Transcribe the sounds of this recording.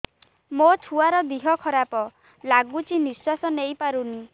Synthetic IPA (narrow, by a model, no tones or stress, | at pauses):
mot͡ʃʰuaɾɔd̪iɦɔkʰɔɾapɔ | laɡut͡ʃʰiniswasɔnejpaɾuni